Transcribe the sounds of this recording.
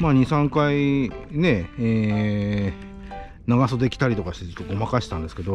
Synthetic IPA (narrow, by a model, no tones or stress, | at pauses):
maːɲ̟isãŋkaine̞eː | naɡaso̞d̪e̞kʲi̥t̪aɾʲit̪o̞kaɕi̥t̪ekokːomakaɕi̥t̪ãnd̪e̞sɨ̥ke̞d̪o̞